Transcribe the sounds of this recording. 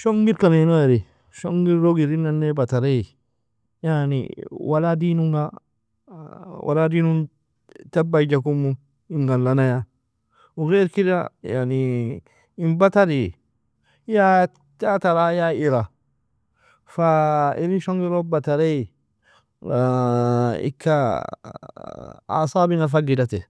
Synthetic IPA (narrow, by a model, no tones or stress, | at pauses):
ʃoŋɡiɾkanenoaɾi | ʃoŋɡiɾɾoɡiɾinːanːebataɾe | janḭwaladinuŋɡa | wʔa̰ladinun | tabaid͡ʒakumːu | iŋɡanlanaja | uɡeɾkiɾa̰ja̰ni | imbat̪aɾi | ja | tat̪aɾajaiɾa | faiɾinʃɔŋɡiɾobat̪aɾe | ɪ̰kʰːa | a̰saːbiŋafaɡɪdat̪ɛ